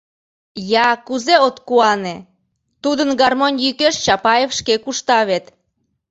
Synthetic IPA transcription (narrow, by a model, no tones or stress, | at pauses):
jɑkuzeot̪kuɑne | t̪ud̪ənɡɑrmonʲjykeʃt͡ɕɑpɑjefʃkekuʃt̪ɑβet̪